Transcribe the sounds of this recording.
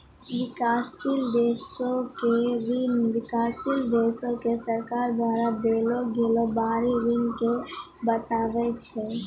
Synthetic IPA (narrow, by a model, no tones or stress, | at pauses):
ʋɪkaːsild̪eːsõkeɾɪnʋɪkaːsild̪eːsõkesəɾkaːɾd̪waːɾad̪eːloɡeːlobaːɾiɾɪŋke | bət̪aːʋɛt͡ʃʰɛ